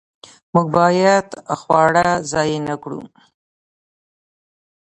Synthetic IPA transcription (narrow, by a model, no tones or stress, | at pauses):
muɡ̚bɑjad̪xwɑɽazɑjenakɽṵ